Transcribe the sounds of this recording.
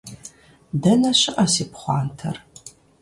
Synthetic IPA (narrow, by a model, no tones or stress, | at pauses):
dɐnɐɕɪʔɐsiːpχʷɑ̰ːntʰɐ̰r